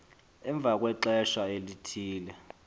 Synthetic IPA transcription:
ɛɱb̪vʱak̬ʼwɛǁɛʃaelitʰiːlɛ

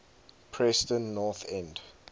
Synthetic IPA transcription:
pʰɹɛstə̃nːɔθɛ̃nd

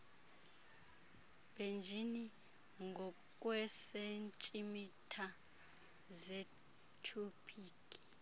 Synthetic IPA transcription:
b̥end͡ʒʱini | ŋɡʱɔ | kʼwɛsent͡ʃʼimitʰa | ze | tʰupʰiːkʼi̥

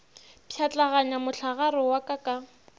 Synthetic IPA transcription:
pʰjat͡ɬʼaɣaɲamʊɬʰaɣaɾɔwakʼakʼa

